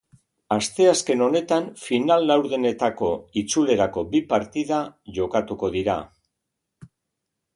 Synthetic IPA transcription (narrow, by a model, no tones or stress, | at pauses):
ast̪e̞aske̞no̞ne̞t̪anfinalːawɾðene̞t̪ako̞it͡sule̞ɾako̞bipaɾt̪iðaʝo̞kat̪uko̞ðiɾa̰